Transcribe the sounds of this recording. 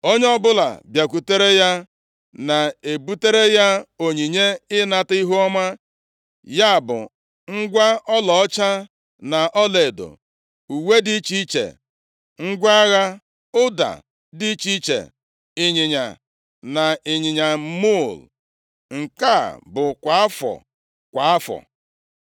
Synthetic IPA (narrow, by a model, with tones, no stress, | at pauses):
o˦ɲe˦ɔ˦bʊ˦la̰˨bja˨kʷu˨te˦ɾe˦ja˦ | na˨e˨bu˦te˦ɾe˦ja˦o˨ɲi˨ɲe˦ɪ˦na˨ti˦ɦu˦ɔ˦ma˦ | ja˦˨bʊ̰˨ | ŋ̩˦ɡʷa˦ɔ˦lɔ˨ɔ˦t͡ʃa˦ | na˨ʔɔ˦le˨do̰˨ | u˨we˦di˦t͡ʃi˦t͡ʃḛ˨ | ŋ̩˦ɡʷa˦ɣa˦ | ʊ˦da̰˨ | di˦t͡ʃi˦t͡ʃḛ˨ | ɪ˨ɲɪ˨ɲa̰˨ | na˨ɪ˨ɲɪ˨ɲa˨˦mo˦˨l | ŋ̩˨ka̰˦˨bʊ˨kʷa˨a˦fɔ̰˨ | kʷa˨a˦fɔ̰˨